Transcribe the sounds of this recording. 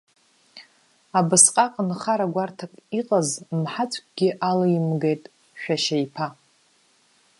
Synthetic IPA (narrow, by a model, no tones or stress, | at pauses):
abɨsqʼaqʼnχaɾaɡʷartʰakʼiqʼazmħat͡sʷʰʼk̚ʲʷʼɡ̥ʲɪʔalajimɡe̞jtʼ | ʃᶣaʃaipʰa